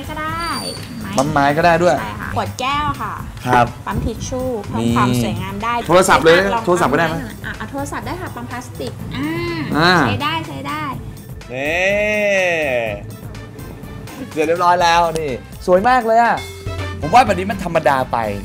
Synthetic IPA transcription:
jkɔː˥˩daː˥˩j | pa˧nmaː˧˥jkɔː˥˩daː˥˩jdu˥˩əjpu˨˩ət̪̚kɛː˥˩wkʰa˥˩kʰɾa˦˥p̚pa˧mpʰi˨˩t̪̚t͡ɕʰuː˥˩niː˧˩˧msu˩˦jŋaː˧mdaː˥˩jt̪ʰoː˧a˧sa˨˩p̚lɤː˧jːt̪ʰo˧sa˨˩kːdaː˥˩jma˦˥˧ʔa˧˩ʔa˧˩t̪ʰoː˧la˧sa˨˩p̚daː˥˩jkʰa˥˩pa˧mpʰlaː˦˥st̪i˨˩k̚ʔa˧ʔaː˧˩˦jdaː˥˩jt͡ɕʰa˧˥jdaː˥˩j | ʔeː˧ | sɾi˥˩p̚ɾɔː˦˥jlɛː˦˥wniː˥˩ | su˨˩˦əjmaː˥˩k̚lɤː˧jʔa˨˩ | pʰo˩˦mwaː˥˩bɛ˨˩p̚ni˦˥ma˧nt̪ʰa˧mːa˧daː˧pa̰˧j

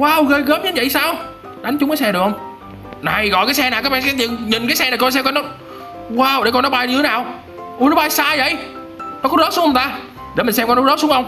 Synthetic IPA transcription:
waː˧˩wɣə˧˩jɣəː˦˥p̚ɲ˧˨˦nvə̰˧˨jsaː˧w | ɗa˨˦jŋ̟t͡ɕʊ˦ŋ͡mkaː˨˦sɛ˧ɗəkhə˧ŋ͡m | na˨˩jɣɔ̰˧˨jkaː˨˦jsɛ˧naː˨˩wkaː˨˦˥ɓaː˧˨˩sɛ˧˩t̪ḭ˧˨ŋɲi˨˩n̟kaː˨˦jsɛ˧naː˨˩kɔ˧s̬ɛ˧mkɔ˧˦nɔ˨˦˥ | waː˧˩wɗe˧˩kɔ˧nːɔ˨˦ɓaː˧jt̪ʰe˨˦naː˨˩w | ʔu˧˩nɔ˨˦ɓaː˧jsaː˧jvə̰˧˨j | nɔ˨˦˥kɔ˨˦zəː˨˦˥p̚su˨˦˥ŋhə˨˩˧t̪aː˧ | ɗe˧˩mɨ˨˩ns̬ɛ˧ŋ͡mkɔ˧nːɔ˨˦˥zə˦˥sʊ˨˦ŋxə˧wŋ͡m

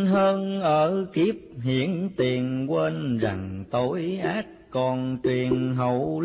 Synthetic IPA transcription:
ɦəː˧nʔəː˧˩ki˦˥əp̚hḭ˧˥˨ənt̪i˨˩ənkweː˧nza˨˩ŋt̪o˨˦jʔaː˦˥t̚kɔ˧˩nt͡ɕwi˨˩ənɦə˨˧˩w

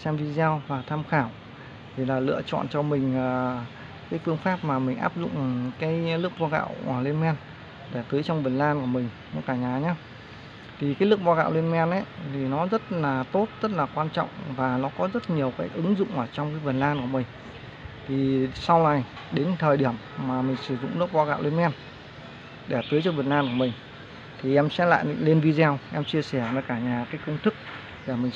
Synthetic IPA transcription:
sɛ˧mvi˧zaː˧wvaː˨˩t̪ʰaː˧mxaː˧˩w | t̪ʰi˨˩laː˨˩lɨ̰˧˨ət͡ɕɔ̰˧˨nt͡ɕɔ˧mï˨˩ŋ̟əː˨˩ | kaː˨˦jkɨ˧əŋfaː˦˥p̚maː˨˩mï˨˩ŋ̟ʔa̰ː˦˥p̚zʊ̰˧˨ŋ͡mkaː˨˦jlɨ˦˥ək̚vaː˧ɣa̰ː˧˨wa˧˩le˧nmɛ˧n | ɗe˧˩t̪ɨ˨˦jt͡ɕɔ˧wŋ͡mvə˨˩nlaː˧nku˧˩əmï˨˩ŋ̟nɔ˨˦kaː˧˩ɲaː˨˩ɲaː˨˦ | t̪ʰi˨˩kaː˨˦jlɨ˦˥ək̚va˧ɣa̰ː˧˨wle˧nm˧ɛ˧nʔə˨˦t̪ʰi˨˩nɔ˨˦zə˦˥t̚laː˨˩t̪o˦˥t̚z̥ə˦˥t̚laː˨˩kwaː˧nt͡ɕɔ̰˧˨wŋ͡mvaː˨˩nɔ˨˦kɔ˨˦zə˦˥t̚ɲi˨˩əwkaː˨˦jk̚ʔɨ˨˦ŋzʊ̰˧˨ŋ͡mʔəː˧˩t͡ɕɔ˧wŋ͡mkaː˨˦jvə˨˩nlaː˧nku˧˩əmï˨˩ŋ̟ | t̪ʰi˨˩sa˧wna˨˩j | ɗe˨˦nt̪ʰəː˨˩jɗi˧˩əmːaː˨˩mï˨˩ŋ̟sɨ˧˩zʊ̰˧˨ŋ͡mlɨ˦˥ək̚ɓaː˧wɣa̰ː˧˨wle˧nmɛ˧n | ɗe˧˩t̪ɨ˨˦jt͡ɕɔ˧ɓə˨˩nlaː˧nku˧˩mï˨˩ŋ̟ | t̪ʰi˨˩ʔɛ˧msɛ̰˧˥la̰ː˧˨le˧nvi˧zɛ˧wʔɛ˧mt͡ɕi˧əsɛ˧˩vəː˧˦jkaː˧˩ɲaː˨˩kaː˨˦jkə˧wŋ͡mt̪ʰɨ˦˥k̚ | ɗe˧˩mï˨˩ŋ

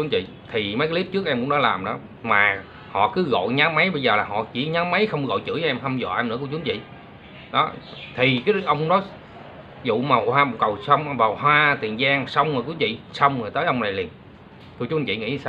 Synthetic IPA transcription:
u˦t͡ɕḭ˧˨ | t̪ʰi˨˩mə˨˦jkːa˧˦li˦˥p̚t͡ɕɨ˦˥k̚ʔɛ˧mkʊ˧˥ŋ͡mnɔ˨˦laː˨˩mɗɨ̰˧˨˦ | maː˨˩ | hɔ̰˧˨kɨ˨˦ɣɔ̰˧˨jɲaː˨˦wmaə˨˦jɓə˧jzəː˨˩laː˨˩ɦɔ̰˧˨t͡ɕi˧˩ɲaː˨˦wmːə˨˦jxə˧wŋ͡mɣɔ̰˧˨jt͡ɕɨ̰˧˥ə˧ɛ˧mhʰə˧wŋ͡mzɔ̰˧˨ʔɛ˧mnɨ̰˧˥əkt͡ɕu˨˦˥nt͡ɕḭ˧˨ | ɗɔ˨˦ | t̪ʰi˨˩kaː˨˦˨ʔə˧wŋ͡mŋ͡mnɔ˨˦j | zṵ˧˨ma˨˩whwaː˧m˨kə˨˩wsə˧wŋ͡mvaː˨˩whwaː˧t̪ḭ˨˩ənzaː˧ŋsə˧wŋ͡ma˨˩ku˨˦nt͡ɕḭ˧˨sə˧wŋ͡mə˨˩t̪əː˨˦jʔə˧wŋ͡mna˨˩jli˨˩ən | t̪ʰu˧˩t͡ɕu˦t͡ɕḭ˧˨ŋḭ˧˥˧aː˧w

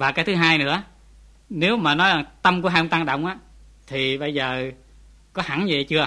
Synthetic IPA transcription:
vaː˨˩kaː˨˦jt̪ʰɨ˨˦ɦaː˧jnɨ̰˧˥ə | ne˨˦wmaː˨˩nɔ˨˦jza˨˩ŋt̪ə˧mku˧˥əɦa˧ʔɔ˧ŋ͡mt̪a˧ŋɗə̰˧˨wŋ͡mʔaː˨˦ | t̪ʰi˨˩ɓə˧jzəː˨˩ | kɔ˨˦ha̰˧˥˦ŋɲ˧˨˩jt͡ɕɨ˧ə

